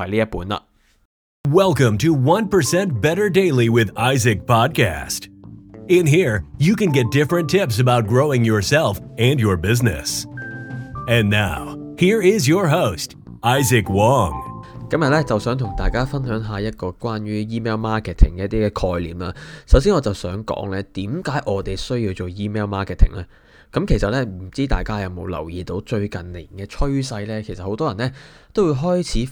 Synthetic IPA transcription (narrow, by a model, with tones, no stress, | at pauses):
ɐ̰˨˩liː˥jɐ˥t̚puː˨˥nla̰˨ | wɛlˠkə̃mtʰɨwʌ̃npə˞sɛ̃nt̚b̥ɛɾə˞deɪlˠiwɪðaɪzɨk̚pʰɑd̚kʰæ̰stɪ̃nɦiɹjɨkɨ̃nɡɛt̚d̥ɪfɹɨ̃ntʰɪpsɨbaʊt̚ɡ̥ɹoʊɪ̃ŋjə˞sɛlˠfɨ̃njə˞bɪznɨ̰s | ɨ̃nːaʊ | hiɹɪzjə˞ɦoʊst | aɪzɨkwɔ̃ŋkɐ˥mjɐ˨t̚lɛ˥t͡sɐ˨wsœː˨˥ŋt̪ʰʊ˨˩ŋt̪aː˨jkaː˥fɐ˥nɦœː˨˥ŋɦaː˨jɐ˥t̚kɔː˧kwaː˥njyː˥jiː˥mɛː˥wmaː˥kʰɛ˨t̪ʰɪ˨˩ŋkɛː˧˦jɐ˥t̪iː˥kɛː˧kʰɔː˧jliː˨˩mlaː˧sɐ˨˥ws̬iː˥ŋɔː˨˧t͡sɐ˨wsœː˨˥ŋkɔ̰ː˨˥ŋlɛː˥t̪iː˨˥mkaː˨˥jʔɔː˨˧t̪e˨jsɵ˥ɥjiː˧wt͡so˨˩wjiː˥mɛː˥wmaː˥kʰɛ˨t̪ʰɪ˨˩ŋlɛː˧˥ | kɐ˨˥mkʰe˨˩jsɐ˨t̚lɛ˥m̩˨˩t͡siː˥t̪a̰ː˨jkaː˥jɐ˨˧wmo˨˧wlɐ̰˨˩wjiː˨t̪o˨˥wt͡ʃɵ˧ɥkɐ˨nlɪ˨˩ŋkɛː˧t͡ʃʰɵ˥ɥsɐ˧jlɛː˥kʰe˨˩sɐ˨t̚ho˨˥wt̪ɔː˥jɐ˨˩nɛː˥ | t̪o˥wjiː˧wɦɔː˥jt͡sʰiː˨˥